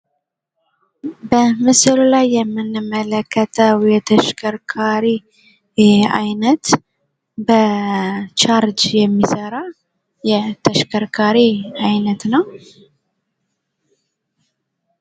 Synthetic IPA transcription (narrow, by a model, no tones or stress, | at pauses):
bəmɨsɨllajːɛmːɨnːɨmːələkːət̪ʰəwjɛt̪ʰəʃkʰəɾkʰaɾi | a̰jnət̪ | bə | t͡ʃaɾd͡ʒjɛmːisəɾa | jɛt̪ʰəʃkʰəɾkʰaɾiajnət̪nəw